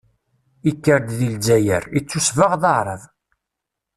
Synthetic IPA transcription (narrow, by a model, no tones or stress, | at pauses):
ikːəɾd̪ðilzæjəɾit͡sːusvəʁðəʕɾˤəv